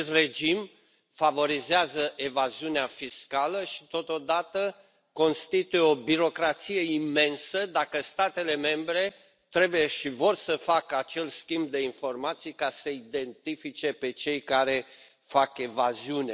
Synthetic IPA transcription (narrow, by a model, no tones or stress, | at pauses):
est̪re̞d͡ʒim | favo̞ɾizeazəʔe̞vaziuneafiskaləʃi̥t̪o̞t̪o̞d̪at̪ə | ko̞nst̪it̪ujeo̞biɾo̞kɾat̪sijeime̞nsəd̪akəst̪at̪e̞le̞me̞mbɾe̞ | t̪ɾe̞buje̞ʃivo̞rsəfakəat͡ʃe̞lskʲimb̚d̪e̞info̞rmat̪sijkasəid̪e̞nt̪ifit͡ʃe̞pe̞t͡ʃe̞jkaɾe̞ | fake̞vaziune